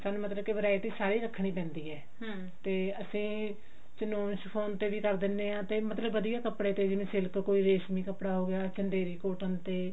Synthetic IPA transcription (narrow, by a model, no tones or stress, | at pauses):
saːnũːmət̪ləbkeʋəɾaːit̪iːsaːɾiːɾəkʰːɳ̃iːpɛ̃ːnd̪iːɛː | t̪eːəsĩː | t͡ʃənoːnʃpʰoːnt̪eːʋiːkəɾd̪ɪnːeːãːt̪eːmət̪ləbːəd̪ijaːkəpɽeːt̪eːd͡ʒɪnẽːsɪlkkoːiːɾeːʃmiːkəpɽaːɦoːɡjaːt͡ʃəɳɖeːɾiːkoːʈənt̪eː